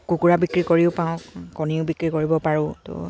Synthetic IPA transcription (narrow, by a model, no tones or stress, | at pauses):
kukuɹabikɹikoɹiʊpãʊ̃kɔniʊbikɹikoɹibɔpaɹʊ̃tʊ̰